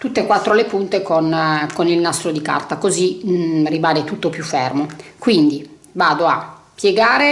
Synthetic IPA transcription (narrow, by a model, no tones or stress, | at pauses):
t̪ut̪ːekwat̪ːɾolepunt̪ekonkonilnast̪ɾod̪ika̰rt̪akoziribalet̪ut̪ːopjufːɛrmokwind̪i | vaːd̪oa | pːjeɡaːɾe